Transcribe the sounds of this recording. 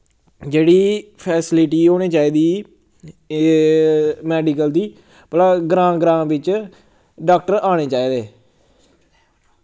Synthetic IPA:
d͡ʒeːɽiːpʰɛːsɪlɪʈiːoːɽeːt͡ʃaːiːd̪iː | mɛːɖikəld̪iː | pəlaːɡɾãːɡɾãːbɪt͡ʃ | ɖaːk̚ʈəɾaːɽ̃eːt͡ʃaːiːd̪eː

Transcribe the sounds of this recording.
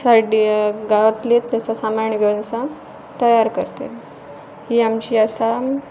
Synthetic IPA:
saɖiɡaʋət̪let̪ːasasamaɾɳiɡʱəʋnəsa | t̪əjaɾkəɾt̪ḛl | hiːamt͡ɕiːasa

